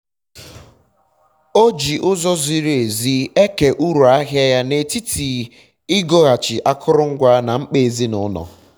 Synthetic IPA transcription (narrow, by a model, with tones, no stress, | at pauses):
o˦d͡ʒi˨ʔʊ˦zɔ˦zi˦ɾe˨zi˦e˦ke˨ʔu˦ɾu˨a˦ɦja˦ja˦ne˨ti˦tʰi˨ | i˦ɡo˦ɣa˨t͡ʃɪ˨ʔa˦kʰʊ˦ɾʊ˦ŋ̩˦ɡʷa˦na˨ŋ͡m̩˦k͡pe˦˨e˨zi˦nʊ˦nɔ̰˨